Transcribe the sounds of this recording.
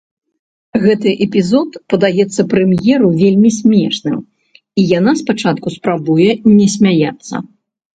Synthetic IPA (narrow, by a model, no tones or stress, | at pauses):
ɣɛt̪ɨʔɛpʲizɔt̪pɐd̪ajɛt̪sːɐpɾɛmjɛɾuvʲelʲmʲisʲmʲɛʂnɨ̰m | ijanaspat͡ʂat̪̚kuspɾabujɛnʲɛsʲmʲajat̪sːɐ̰